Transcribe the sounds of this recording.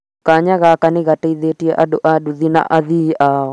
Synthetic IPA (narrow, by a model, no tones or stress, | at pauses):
kaɲaɣakanɪɣataiðɛtiɛʔaɗoʔaɗuðina̰ʔaðiʔaɔ